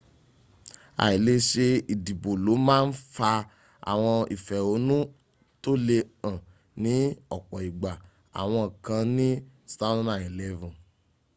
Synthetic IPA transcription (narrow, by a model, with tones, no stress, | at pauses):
a̰˨i˨le˦ʃe˧i˨di˨bo˨lo˨˦mãː˦n̩˦fa˧ | a̰˨w̃ɔ̃˧i˨fɛ˨o˨˧˦nũ˦ | to˦le˧ã˨ | nĩ˨˦ɔ˦˨k͡pɔ˨i˨ɡ͡ba˨ | a̰˨w̃ɔ̃˧˨kã˧nĩ˦stã˦nã˨i˨lɛ˧vũ˨